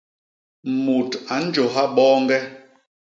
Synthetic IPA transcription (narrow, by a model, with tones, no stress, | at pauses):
mu˨ta˨˦n̩˦d͡ʒo˨ɦa˦ɓɔː˦ŋɡɛ˦